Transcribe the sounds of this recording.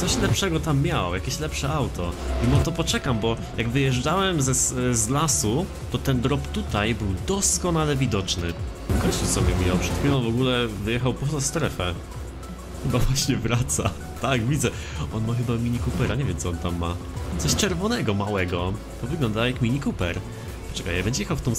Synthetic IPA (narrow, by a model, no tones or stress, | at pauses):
t̪ɔɕlɛpʂɛɡɔt̪amːʲjawɔjakʲeɕlɛpʂɛawt̪ɔimɔt̪ɔpɔt͡ʂɛkambɔ | jaɡvɘjɛʐd͡ʐawɛmzɛszlasu | t̪ɔt̪ɛnd̪ɾɔpt̪ut̪ajbɘwd̪ɔskɔnalɛvʲid̪ɔt͡ʂnɘ | fkɔɲt͡susɔmʲɛmʲjawpʂɛt̪fʲiɔnvɔɡulɛvɘjɛxawpɔzast̪ɾɛfɛ | xɘbavwaɕɲɛvɾat̪sa | t̪aɡvʲid̪zɛ | ʔɔnmaxɘbamʲiɲikupɛɾʔaɲevʲjɛmt̪sɔɔnt̪amːat̪sɔɕt͡ʂɛɾvɔnɛɡɔmawɛɡɔ | t̪ɔvɘɡlɔnd̪ajakmʲiɲikupɛɾ | pɔ̥t͡ʂɛkajabɛɲd͡ʑɛjɛxawft̪ɔ̃w̃